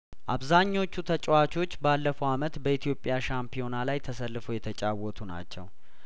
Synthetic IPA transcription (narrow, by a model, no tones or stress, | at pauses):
ʔaβzaɲːo̞t͡ʃːut̪ʰət͡ʃʼwat͡ʃʰo̞t͡ʃːbalːəfəwamət̪bəit̪ʰijo̞pʼːjaʃampʰijo̞nalajt̪ʰəsəlːɨfojɛt̪ʰət͡ʃʼawɔt̪ʰuna̰t͡ʃːɛ̰w